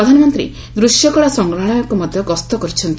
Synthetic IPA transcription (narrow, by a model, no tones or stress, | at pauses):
ɾɔd̪ʱanɔmɔnt̪ɾḭ | d̪ɾusjɔkɔɭasɔŋɡɾaɽ̃ɔjɔkumɔd̪ʱjɔkɔst̪ɔkɔɾit͡ʃʰɔnt̪i